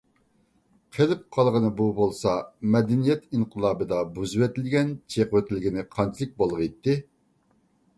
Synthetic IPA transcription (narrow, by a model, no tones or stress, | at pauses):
qʰelɪp̚qʰɑlˠʁənɨbubolˠsɑmɛd̪ɪnijɛt̪inqʰəlˠɑːbɨd̪ɑbuzɨwɛt̪ɪlɡʲɛnt͡ʃʰeqwøt̪ʰɪlɪɡʲinɪqʰɑnt͡ʃʰilˠɪk̚ʲbolˠʁəjt̪ːɪ